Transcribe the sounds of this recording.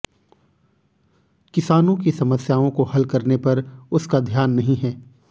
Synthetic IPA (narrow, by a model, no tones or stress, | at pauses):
kɪsaːnõkisɐməsjaːõkohɐlkɐɾnepɐɾʊskad̪ʱjaːnːɐɦĩɦɛː